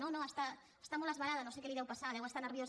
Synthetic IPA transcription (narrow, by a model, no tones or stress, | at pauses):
õnõest̪a | est̪amolazβaɾaðanõsekeliðɛwpasalɛɣwast̪aneɾβjos